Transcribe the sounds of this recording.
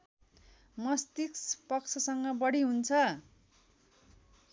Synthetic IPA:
mʌst̪ikspʌkt͡sʰʌsʌŋɡʌbʌɽiɦunt͡sʰʌ

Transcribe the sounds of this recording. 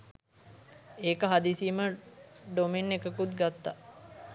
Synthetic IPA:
eːkəɦad̪isiːməɖomenːekəkut̪ɡat̪ːa

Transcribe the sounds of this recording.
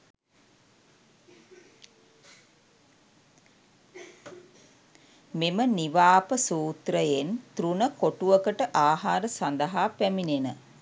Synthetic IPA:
meməniʋaːpəsuːt̪ɾəjent̪ɾunəkoʈuʋəkəʈəʔaːɦaːɾəsand̪əɦaːpæminenə

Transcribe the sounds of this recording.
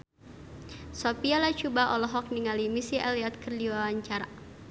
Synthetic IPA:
sopialat͡ʃubaʔɔlɔɦɔk̚niŋalimisiɛliɔt̪̚kərdiwawaɲt͡ʃaɾa

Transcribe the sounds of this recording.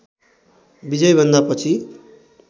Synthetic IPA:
bid͡zʌjbʱʌnd̪apʌt͡sʰi

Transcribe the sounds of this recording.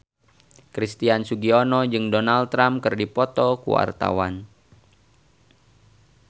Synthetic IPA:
kɾist̪iansuɡiɔnɔd͡ʒɨŋdɔnalt̪ːɾamkɨrdipɔt̪ɔkṵwa̰rt̪a̰wan

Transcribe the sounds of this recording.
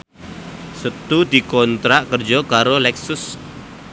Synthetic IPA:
sət̪ud̪i̤kɔnt̪ɾaʔkərd͡ʒɔkaɾolɛksʊs

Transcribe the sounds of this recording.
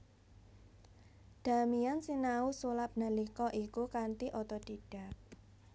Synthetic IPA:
d̪̥a̤miansinausulap̚nalikɔʔikukant̪iʔɔt̪ɔd̪̥iɖ̥a̤k̚

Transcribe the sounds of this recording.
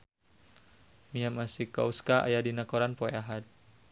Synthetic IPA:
miamasika̰uskaʔa̰jadinakɔɾanpɔeaɦat̪̚

